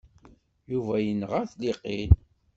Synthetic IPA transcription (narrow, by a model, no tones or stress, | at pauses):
juvæjənəʁaɾθliqin